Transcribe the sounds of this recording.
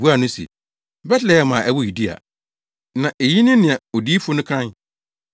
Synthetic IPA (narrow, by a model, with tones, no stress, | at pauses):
bu˦a˨nʊ̃˦sḛ˨ | bɛ˦tlɛ˨jɛ˦mã˨ʔɛ˦wʊ˦ju˨di˦a̰˨ | nã˨ʔe˨ji˦nʊ̃˦nɪ̃˨a˨o˨di˦fo˦nʊ̃˦kʰɾã˦n